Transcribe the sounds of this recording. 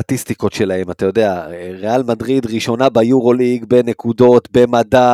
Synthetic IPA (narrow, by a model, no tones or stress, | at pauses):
atist̪iko̞tʃe̞lahe̞matajo̞de̞aʁealmadʁidʁiʃo̞nabejuʁo̞liɡbene̞kudo̞tbe̞mada